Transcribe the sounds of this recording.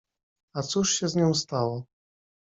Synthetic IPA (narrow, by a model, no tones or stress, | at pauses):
at̪suʂɕɛzɲʲɔ̃w̃st̪awɔ